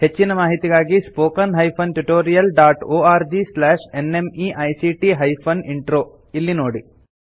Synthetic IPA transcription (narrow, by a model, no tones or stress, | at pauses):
he̞t͡ʃːinɐmaːɦit̪iɡaːɡispoːkɐnɦɐjpʰɐnʈuʈoːɾijɐlɖaːʈoːaːɾd͡ʒislɛːʂenemiʔɐjsiʈiɦɐjpʰɐniɳʈɾoː | ilːinoːɽi